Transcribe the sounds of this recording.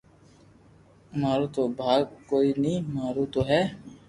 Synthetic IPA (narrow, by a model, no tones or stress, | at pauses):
maːɾuːt̪oːbʱaːɡ̚koːiːnĩːmaːɾut̪oːɦɛː